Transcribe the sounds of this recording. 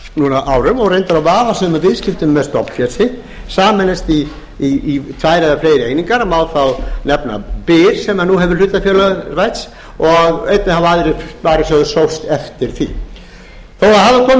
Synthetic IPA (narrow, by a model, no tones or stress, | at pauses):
nuːnaʔaːwɾʏmɔɣrejnt̪aɾawvaːðasɛmavɪðscɪft̪ʏmːɛðst̪ɔpn̥fjɛsɪ | saːmɛnɪst̪i | iːt̪ʰvaːjɾɛðafleːjɾɪejniŋkaɾmawðfawnɛpna̰pɪɾ̥sɛmanuɦɛvɪɾ̥lʏt̪afjœːlœrajt̪s | ɔɣejt̪̚nɪhaaðɾɪfʏt̪vaːɾɪsœɣðʏsowst̪ɛft̪ɪɾ̥θḭ | θowahavakʰɔːm